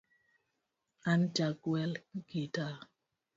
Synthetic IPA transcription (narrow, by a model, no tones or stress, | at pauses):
and͡ʒaɡwɛlɡita